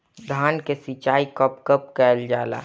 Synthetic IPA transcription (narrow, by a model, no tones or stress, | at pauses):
d̪ʱaːnkesit͡ʃaːikɔpkəp̚kɛːld͡ʒaːla̰ː